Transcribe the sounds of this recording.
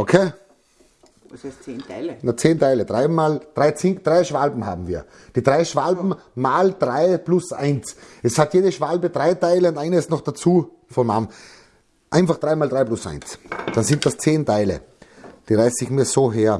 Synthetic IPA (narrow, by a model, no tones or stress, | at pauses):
ʔokʰeː | nat͡seːntaɪləd̥ʁaɪmaːld̥ʁaɪt͡sɪnd̥ʁaɪʃv̥albm̩ɦa̰ːbm̩vḭːɐ | d̥iːdʁaɪʃv̥albm̩ | maːld̥ʁaɪplʊsʔa̰ɪnsɛshatjeːdəʃv̥albədʁaɪtaɪləʊ̃ntʔaɪnəɪstnɔχd̥at͡suː | fɔmam | ʔãɪ̃nfaχd̥ʁaɪmaːldʁaɪplʊsʔa̰ɪnsd̥ansɪnt̚d̥ast͡seːntʰaɪlə̰ | d̥iːʁaɪsɪçmiːɐzoːɦeːɐ